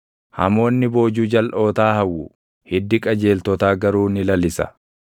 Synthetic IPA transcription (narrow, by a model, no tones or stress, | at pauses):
hɐ̰mo̞ːnːɪbo̞ːd͡ʒuːd͡ʒɐlʔo̞ːt̪aːhɐwːʊ | hɪd̪ːɪkʼɐd͡ʒe̞ːlt̪ɔt̪aːɡɐɾuːnɪlɐlɪsɐ̥̰